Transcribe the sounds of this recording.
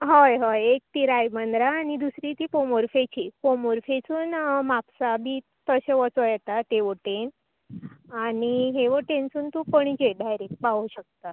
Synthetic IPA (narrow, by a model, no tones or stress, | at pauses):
ɦojɦojek̚t̪iɾajmənd̪ɾaːɽ̃id̪usɾit̪ipomoɾfet͡ɕipomoɾfet͡suːnmapsabʱiː | t̪əɕeʋət͡sojɛt̪at̪eʋəʈen | aɽiɦeʋəʈent͡suːnt̪upəɳ̃id͡ʑeɖajɾek̚ʈ̚paʋuɕək̚t̪a